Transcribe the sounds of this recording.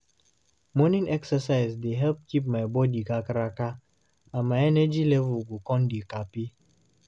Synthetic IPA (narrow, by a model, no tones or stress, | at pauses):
mɔnĩŋɛksəsaɪzdeɦɛlp̚kip̬̚maɪbɔdiɡakaɾaka | amaɪɛnɛd͡ʒilɛvuɡukɔ̃ndikapi